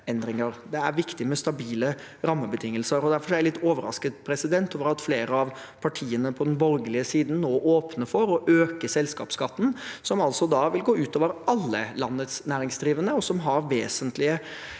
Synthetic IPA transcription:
ɛnd̪ɾɪŋəɾd̪ɛæɾʋɪkt̪ɪmɛst̪ɑbiːlə | ɾɑmːəbət̪ʰɪŋːəlsəɾɔd̪æɾfɔɾɔæɾælɪt̪ːoːʋəɾɑ̰skət̪̚pʰɾɛsɪd̪ɛnt̪ʰoːʋəɾɑt̪fleːɾəɑʋ | pʰɑʈʰiːənəpʰɔd̪ɛnbɔɾɡəlɪəsiːd̪n̩noːʔoːpnəfɔɾɔʔøːkəsɛlskɑ̰ːpskɑt̪ːn̩sɔmɑlsɔd̪ɑʋɪlɡoːʉːt̪ʰoːʋəɾɑlːəlɑnːət̪snæːɾɪŋsd̪ɾiːʋənəɔsɔmɦɑɾʋeːsənt̪lɪə

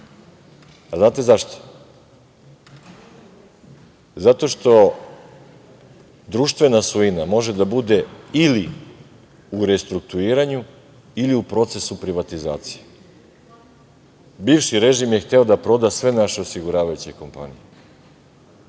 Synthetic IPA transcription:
aznaːt̪e̞zaʃt̪o̥ | zat̪o̞ʃt̪o̞ | d̪ɾuːʃt̪ʋe̞nasuinamo̞ʒe̞d̪abud̪e̞ili | uɾest̪ɾuk̚t̪uiːɾaɲu | iliupɾo̞t̪se̞supɾiʋat̪iza̰ːt̪si̥je | biːvʃiɾe̞ʒimje̞xt̪e̞o̞d̪apɾo̞d̪asʋe̞naʃeo̞siɡuɾaːʋajut͡ɕe̞ko̞mpa̰nije

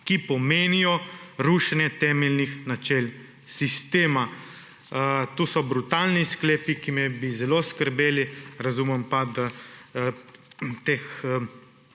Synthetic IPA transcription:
kipɔmeːnijɔɾuʃanjɛt̪ɛːmɛlnixnat͡ʃɛl | sist̪eːma | t̪usɔbɾut̪alniskleːpikimɛbizɛloːskəɾbeːliɾazumɛmpad̪a | t̪ex

